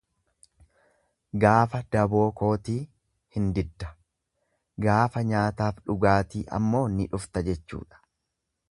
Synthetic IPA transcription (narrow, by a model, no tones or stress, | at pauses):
ɡaːfɐd̪̥ɐbo̞ːko̞ːt̪iː | hɪnd̪ɪd̪ːɐ̥ | ɡaːfɐɲaːt̪aːfᶑʊɡaːt̪iːʔɐ̰mːo̞ːnɪᶑʊft̪ɐd͡ʒɛt͡ʃːṵːᶑɐ̥